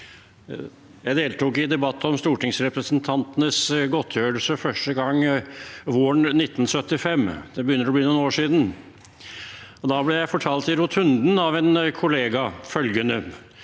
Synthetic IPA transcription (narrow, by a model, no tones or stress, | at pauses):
jæɪd̪eːlt̪uːkɪd̪ɛbɑt̪ːɔmst̪uːʈɪŋsɾɛpɾəsənt̪ʰɑnt̪ənəsɡɔt̪ʰjøːəlsəfœʂʈəɡɑŋː | ʋoːɳnɪt̪ːn̩sœt̪ːɪfɛmːd̪̥ɛbəjʏnəɾɔbliːnʊːnoːʂiːd̪n̩ | ɔd̪ɑːblɛjæɪfɔʈʰɑːlt̪ɪɾʊt̪ʰhʉnd̪n̩ɑʋɛnkʰʊleːɡɑfœlɡənə